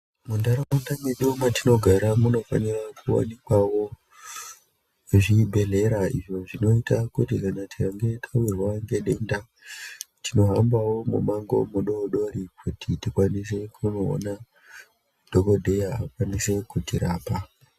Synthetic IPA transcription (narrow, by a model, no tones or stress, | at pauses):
mundaɾaundamweɗumatino̞ɡʱaɾamuno̞fa̰nirakuwa̰nikwawo | ʐibʱe̞le̞ɾaiʐo̞ʐino̞itakutikanatiraŋɡe̞tʰawirwaŋɡe̞ɗenda | tʰino̞ɦambawo̞mṵmaŋɡo̞̰muɗo̞ɗo̞ɾikʰutʰitikwanis̬e̞kʰuno̞̰ːna | d̥ʱoko̞dʱe̞jaa̰kwanise̞kutiɾaːpa